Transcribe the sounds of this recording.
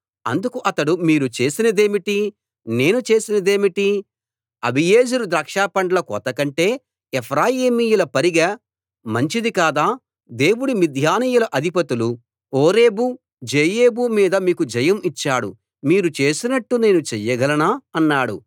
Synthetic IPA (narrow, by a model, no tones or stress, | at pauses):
ɐnd̪ukuʔɐt̪ɐɽumiːɾut͡ʃe̞ːsinɐd̪e̞ːmiʈi | ne̞ːnut͡ʃe̞ːsinɐd̪e̞ːmiʈi | ɐ̰bʱijeːd͡ʒuɾud̪ɾɐkʂaːpɐɳɖɐlɐkɔ̰ːt̪ɐkɐɳʈe̞ː | ɛpʰɾaːjiːmijulɐpɐɾiɡɐ | mɐɲt͡ʃid̪ikaːd̪aː | d̪e̞ːwuɽimid̪ʱjaːniːjulɐʔɐd̪ʱipɐt̪ulu | oːɾe̞ːbu | d͡ʒeːjeːbumiːd̪ɐmiːkud͡ʒɐjɐmit͡ʃːaːɽṵ | miːɾut͡ʃe̞ːsinɐʈːune̞ːnut͡ʃɛjɐɡɐlɐnaːɐnːaːɽṵ